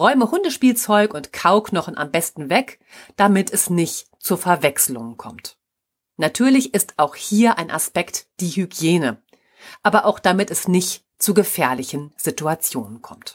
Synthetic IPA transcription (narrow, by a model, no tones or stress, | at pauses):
ʁɔʏməhʊndəʃpiːlt͡sɔʏkʊntkʰaʊknɔχn̩ʔa̰mbɛstn̩vɛk | d̥amɪtʰɛsnɪçt | t͡sufɛɐvɛkslʊŋənkʰɔ̰mt | natʰyːɐlɪçɪstaʊxhiːɐʔaɪnʔa̰spɛktd̥iːhyɡjeːnə | ʔaːbɐʔaʊxd̥amɪtɛsnɪçt | t͡suɡəfɛːɐlɪçən̩z̥ituat͡sjo̰ːnənkʰɔmt